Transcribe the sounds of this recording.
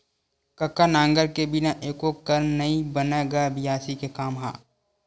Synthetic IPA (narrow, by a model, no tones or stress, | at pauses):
kɐkːanãːŋɡəɾkebɪnaʔeːkokɐɾnɐĩbənaɡabɪjaːsikekaːmɦa̰ː